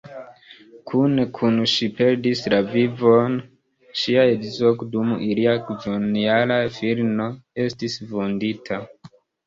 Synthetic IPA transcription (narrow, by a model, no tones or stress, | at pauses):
kʰunekʰunʃipe̞ɾdislavivon | ʃiaedzokdumiliakd͡ʒonialafiɾno̞e̞stisvonditʰa